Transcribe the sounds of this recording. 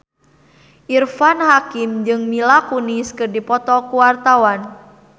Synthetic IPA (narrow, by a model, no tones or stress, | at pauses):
ʔirfanɦakimd͡ʒɨŋmilakuniskɨrdipɔt̪ɔkuwart̪awan